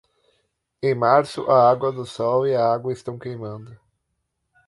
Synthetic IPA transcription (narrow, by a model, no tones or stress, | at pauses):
ẽj̃maɾsʊʔaaɡwɐd̪ʊsɔwɪɐaɡwɐɪst̪ɐ̃w̃kejmɐ̃nd̪ʊ